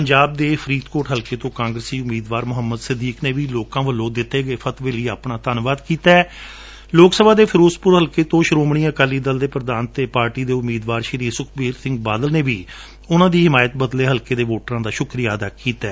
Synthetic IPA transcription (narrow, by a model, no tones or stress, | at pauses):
pəɲd͡ʒaːb̚d̪eːpʰɾiːt̪koːʈɦəlkeːt̪õːkãːŋɡɾəsiːʊmiːd̪ʋaːɾmʊɦəmːəd̪səd̪iːkneːʋiːloːkãːʋəlːõːd̪ɪt̪ːeːɡəeːpʰət̪ʋeːləiːaːpɳaːt̪ənʋaːd̪kiːt̪aɛ | loːksəbʱaːd̪eːpʰɾoːspʊɾɦəlkeːt̪õːʃɾoːmɳĩːəkaːliːd̪əld̪eːpɾəd̪aːnt̪eːpaːɾʈiːd̪eːʊmiːd̪ʋaːɾʃəɾiːsʊkʰbiːɾsɪ̃ŋɡ̚baːd̪əlneːʋiː | ʊnãːd̪iːɦɪmaːjət̪̚bəd̪leːɦəlkeːd̪eːʋoːʈəɾãːd̪aːʃʊkɾijaːd̪aːkiːt̪ɛː